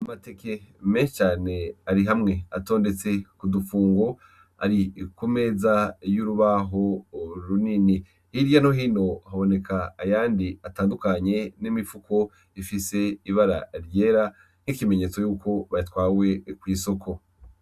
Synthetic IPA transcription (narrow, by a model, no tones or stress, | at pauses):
amate̞kʰemet͡ʃaːne̞aɾiɦamŋe̞a̰to̞ːnde̞t͡se̞kudufuːŋɡo̞ | a̰ɾikume̞zajuɾuβaɦo̞ɾunini | hiɾjanoɦiːno̞haβo̞ne̞kʰaːjaːndiataːndukaɲe̞nimifukʰo̞ | ifise̞iβaɾa̰ɾje̞ːɾa | n̥hikime̞ɲe̞ːt͡so̞juːkʰo̞βaitwaːwe̞kwiːso̞kʰo̞